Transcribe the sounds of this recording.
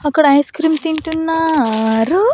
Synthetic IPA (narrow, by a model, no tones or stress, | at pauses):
ɐkɐɽajskɾiːmt̪iɳʈunːaɾu